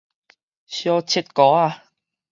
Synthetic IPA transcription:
sjɔː˧t͡sʰi˥t̪̚kɔː˨˦aː˧

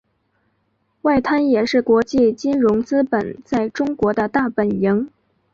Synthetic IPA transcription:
wa˥˩ɪt̪ʰa˥njɛ˨˩ʂɻ̩˥˩kwɔ˧˥t͡ɕi˥˩t͡ɕi˥nɻʊ˧˥ŋt͡sɹ̩˥pə˨˩nt͡sa˥˩ɪʈ͡ʂʊ˥ŋkwɔ˧˥d̪ə˧t̪a˥˩pə˨˩nji˧˥ŋ

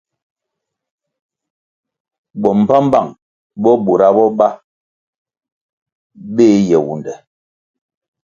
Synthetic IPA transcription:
bɔ˨m̩˨pa˦m˦ba˦˨ŋ | bɔ˦bo˨ɾa˦bɔ˦ba˦ | be˦jɛ˨wṵ˨ndɛ˨

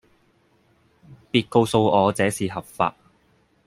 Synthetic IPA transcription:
piː˧t̚ko˧wso˧wɔː˨˧t͡sɛː˨˥siː˨˩ɦɐ˨p̚fa̰ː˧t̚

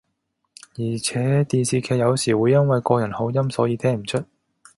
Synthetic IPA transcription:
jiː˨˩t͡sʰɛː˨˥t̪iː˨nsiː˨kʰɛː˧jɐ˨˧wsiː˨˩wuː˨˧jɐ˥nwɐ˨jkɔː˧jɐ˨˩nho˨˥wjɐ˥msɔː˨˥jiː˧t̪ʰɛː˥ŋm̩˨˩t͡ʃʰɵ˥t̚

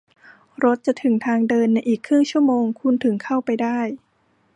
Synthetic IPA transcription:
ɾo˦˥t̪̚t͡ɕa˨˩t̪ʰɯ˩˦ŋt̪ʰaː˧ŋdɤː˧nːa˧jʔiː˨˩kʰːɾɯ˥˩ŋt͡ɕʰu˥˩ɐmoː˧ŋkʰu˧nt̪ʰɯ˨˩˦ŋkʰa˥˩wpa˧jdaː˥˩j

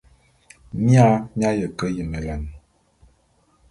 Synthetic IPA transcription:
mja˦m˦a˦jə˨kə˦jə˨mə˨la˨n˨

